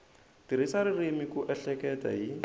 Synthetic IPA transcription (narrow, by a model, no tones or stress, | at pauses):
tiɾisaɾɪremikʊʔɛɬɛkɛta̰ji